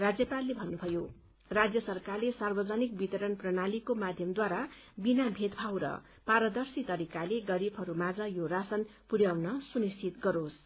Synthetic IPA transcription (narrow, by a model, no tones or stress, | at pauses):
rad͡zjʌpalːebʱʌnːubʱʌjo | rad͡zjʌsʌrkarlesarbʌd͡zʌnik̚bit̪ʌɾʌnprʌnalikomad̪ʱjʌmd̪waɾabinabʱed̪bʰʱawɾʌ̰ | paɾʌd̪ʌrsit̪ʌɾikaleɡʌɾibʱɦʌɾumad͡zʌjorasʌnpuɾjawnʌsunistʰit̪ɡʌɾos